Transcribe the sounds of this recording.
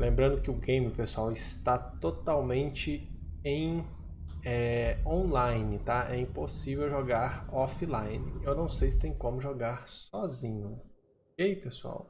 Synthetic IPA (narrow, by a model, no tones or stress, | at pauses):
lẽmbɾɐ̃nd̪ʊkɪʊɡẽj̃mɪʊpesuawɪst̪at̪ot̪awmẽnt͡ʃɪ | ẽj̃ | ɛõlajnɪt̪aɛĩposivewʒoɡaɾɔfilajnɪewnɐ̃w̃sejsɪ̥t̪ẽj̃kõmʊʒoɡaɾsɔzĩɲʊ | ʊkejpesua̰w